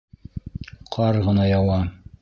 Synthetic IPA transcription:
qʰɑɾʁɤ̆nɑjɑwɑ

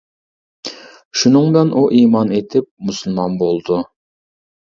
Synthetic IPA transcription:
ʃunɨŋd̪ɨnʔuʔimɑnet̪ʰɪp̚musɨlˠmɑnbolˠd̪u

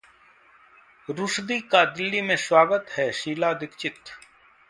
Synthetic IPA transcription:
ɾʊsd̪iːkaːd̪ɪlːiːmẽswaːɡət̪hɛːʃiːlaːd̪ɪkt͡ʃɪt̪

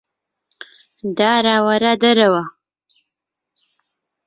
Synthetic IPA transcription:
d̪ɑːɾawaɾad̪aɾawa

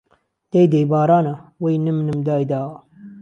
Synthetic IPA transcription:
d̪̥ejd̪ejbaːɾaːnɐwejnɨmnɨmd̪aːjd̪aː

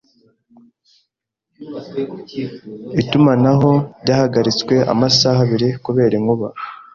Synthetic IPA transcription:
itumanaɦo̞ɾɟaːhaɡaɾit͡skwe̞ʔa̰masahaβiɾikuβe̞ːɾeŋuβa

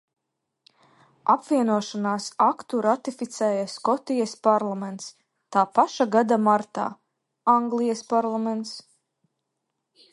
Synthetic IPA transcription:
apvʲiɛnuɔʃanaːsakt̪uɾat̪ifit̪sɛːjaskɔt̪ijaspaɾlˠamɛnt̪s | t̪aːpaʃaɡad̪amaɾt̪a̰ː | aŋɡlˠijɛspaɾlˠamɛnt̪s

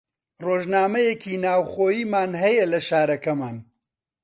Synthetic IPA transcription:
roːʒnaːmɐjekʰiːnaːwχoːjiːmaːnɦɐjɐlɐʃaːɾɐkɐmaːn

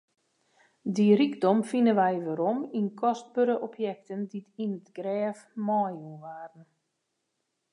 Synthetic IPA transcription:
diriɡdɔmfinənʋɛjʋaɾominkʰɔst̚bøɾəʔɔpʰjɛk̚tənditinətɡ̥rɛːfmɔjunʋaːrən̩

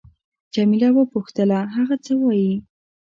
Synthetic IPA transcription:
d͡ʒamilawəpuxt̪əlaɦaɣat͡səwɑji

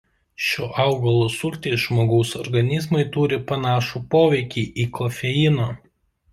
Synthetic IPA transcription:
ʃʲoːʔɑʊɡɐlˠoːsʊlʲt̪ʲeːsʒmoːɡɐʊsɔɾɡɐnʲɪzmɐɪt̪uːɾʲɪpɐnɑːʃuːpoːʋʲɛɪkʲiːʔiːkɔfʲɛɪnoː

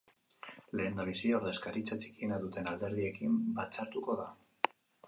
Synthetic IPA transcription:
le̞ːnd̪aβ̞isiaoɾðoeskaɾit͡sat͡ʃi̥kienaðut̪e̞nald̪e̞ɾð̞ie̞kimbat͡saɾt̪uko̞ða

